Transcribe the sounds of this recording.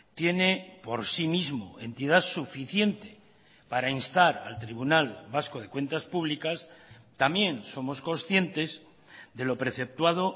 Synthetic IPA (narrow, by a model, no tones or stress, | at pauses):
t̪je̞nepo̞ɾsimizmo̞̰e̞nt̪ið̞asufiθje̞nt̪e̞̥ | paɾainst̪aɾa̰lt̪ɾiβunalbaskoð̞e̞kwe̞nt̪aspuβ̞likast̪amjẽ̞nso̞mo̞sko̞nsθje̞nt̪e̞z | d̪e̞lo̞pɾe̞θe̞p̚t̪wað̞o̞